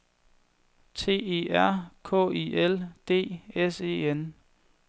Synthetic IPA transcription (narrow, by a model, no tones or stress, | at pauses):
t͡sʰe̝̰ːe̝ːæɐ̰kʰɔ̰̽ːiʔeld̥e̝̰ːese̝̰ːen